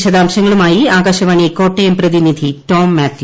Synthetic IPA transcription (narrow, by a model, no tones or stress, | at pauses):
ɕɐd̪aːmɕɐŋːɐɭumaːjiaːɡaɕɐʋaːɳijeko̞ːʈːejɐmprɐðinid̪ʱiʈo̞ːmːaːt̪ju